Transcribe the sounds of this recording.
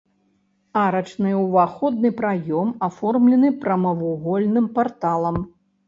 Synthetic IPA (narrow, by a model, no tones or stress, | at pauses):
aɾɐt͡ʂnɨwvaxɔd̪nɨpɾajɔmafɔrmlʲɛnɨpɾɐmɐvuɣɔlʲnɨmpart̪alˠɐm